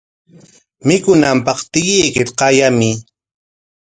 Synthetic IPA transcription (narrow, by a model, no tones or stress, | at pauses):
mɪkʊnampɑχt̪ɪɢijkɪt̪qɑjamɪ